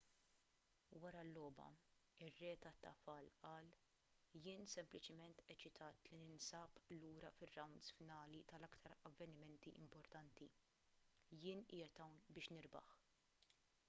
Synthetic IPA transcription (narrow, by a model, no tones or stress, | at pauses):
wɐɾɐlːɔːbɐ̰ɪrːɛːt̪ɐt̪ːɐfɐlʔɐːl | jɪːnsɛmplɪt͡ʃɪmɛnt̪ɛt͡ʃɪt̪ʰɐːt̪linɪnsɐːpluːɾɐfɪrːɐwnd̪sfɪnɐːlit̪ɐlɐkt̪ʰɐɾɐvːɛnɪmɛnt̪iʔɪ̰mpɔɾt̪ɐnt̪i | jɪːnʔɪːjɐt̪ɐwnbɪːʃnɪɾbɐ̰ħ